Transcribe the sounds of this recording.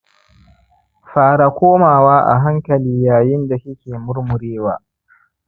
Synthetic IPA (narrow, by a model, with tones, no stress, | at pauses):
ɸaː˨ɾa˨kʷoː˦maː˨waː˦ʔa̰˨ɦa˦ŋkɐ˨liː˦jaː˨jɪ˦nda˨ʃɪ˦kʲeː˨mʊ˦ɾmʊ˨ɽeː˦waː˨